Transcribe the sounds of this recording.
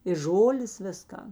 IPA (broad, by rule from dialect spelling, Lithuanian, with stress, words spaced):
ɪr ˈʒoːlʲeːs ˈʋʲɪsˌkɐn